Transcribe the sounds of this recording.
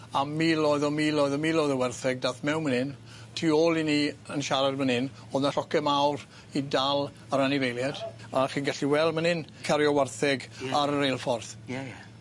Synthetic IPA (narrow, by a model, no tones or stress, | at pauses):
amilˠɔɨðɔmilˠɔɨðɔmilˠɔɨðɔwɛrθɛɡ̚daθmɛwnmənɪn | tʰiːoːlˠiniənʃaɾadmənɪn | oðnaɬɔkɛmawr | idalˠ | aɾanɪvejlˠjad̥aχiːnɡaɬiwɛlˠmənɪnkʰaɾjɔwɛrθɪɡaɾəɾejlˠfɔrθ